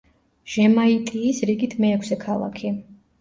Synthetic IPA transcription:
ʒ̥ɛmait̪ʼiːsɾiɡit̪ʰmɛːkʰsɛkʰalˠa̰kʰi

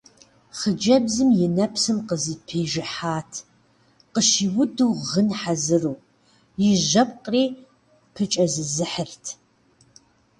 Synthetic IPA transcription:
χəd͡ʒɐbzɨmjɪnɐpsɨmqəzɨpʰeːʒɪħaːtʰ | qəʃiwʊduːʁənħazɨruː | jɪʒɐp̚qʼriː | pʰɨt͡ʃʼɐzɨzɨħərtʰ

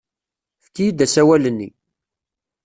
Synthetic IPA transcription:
fkːijid̪æsæwælənːḭ

